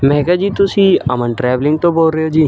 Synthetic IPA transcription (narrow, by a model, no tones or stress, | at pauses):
mɛɦkad͡ʒiːt̪ʊsiɐ̰mənʈɾɛːʋlɪ̃ŋɡ̚t̪oboːlɾəeod͡ʒiː